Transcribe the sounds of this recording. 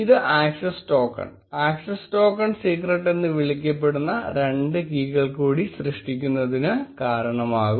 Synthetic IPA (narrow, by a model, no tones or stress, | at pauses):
iðɨʔaːksɐsʈo̞ːkːɐ̰ɳ | aːksɐsʈoːkːɐɳsiːkreʈːe̞nːɨʋiɭik̬ʲːɐpːe̞ɽunːɐɾe̞ɳɖɨkiːkɐɭkuːɽisrɨʂʈikʲːunːɐðinɨkaːɾɐɳɐmaːɣum